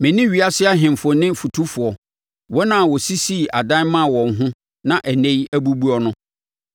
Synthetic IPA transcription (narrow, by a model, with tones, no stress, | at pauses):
mɛ̃˨nĩ˦ɥi˨a˦sɪ˦a˦ɦɪ̃˨m˨fʊ˨nɪ̃˦fu˨tʰu˦fʊ˨ɔ˨ | wɔ˦nã˨wɔ˨si˦si˦˨a˨dã˦mã˦˨wɔ̃˨ŋ˦ɦʊ̃˦ | nã˦ʔæ˨nɛ̃˦jæ˦bu˦bu˦ɔ˦nʊ̃˦